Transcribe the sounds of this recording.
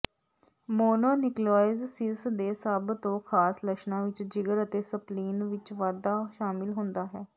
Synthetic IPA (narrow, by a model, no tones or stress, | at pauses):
moːnoːnɪklɔːɪzsɪsd̪eːsəbt̪õːkʰaːsləʃnãːʋɪt͡ʃd͡ʒɪɡəɾət̪eːsəpliːnʋɪt͡ʃʋaːd̪aːʃaːmɪlɦʊnd̪aːɦɛː